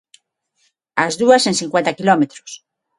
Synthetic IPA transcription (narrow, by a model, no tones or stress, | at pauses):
azðuasẽnθĩŋkwẽnt̪akilomet̪ɾo̥s